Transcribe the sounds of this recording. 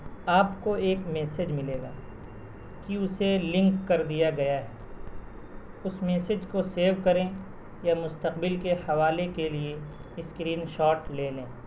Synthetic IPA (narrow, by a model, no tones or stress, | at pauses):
aːpkoeːkmɛːsed͡ʒmɪleːɡa̰ː | kiʊselɪ̃ŋkːɐɾd̪ijaɡɐjaɦɛː | ʊsmɛːsed͡ʒkoseːɾʋkɐɾẽ | jamʊst̪ɐqbɪlkehɐʋaːlekelieɪskɾiːnʃɔːʈleːlẽː